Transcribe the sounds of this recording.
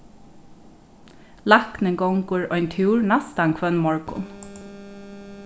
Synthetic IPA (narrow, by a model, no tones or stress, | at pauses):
lɑknəŋɡɔŋkʊɹɔʏnt̪ʰuːɹnast̪aŋkʰʋœnmɔɹkʊ̰n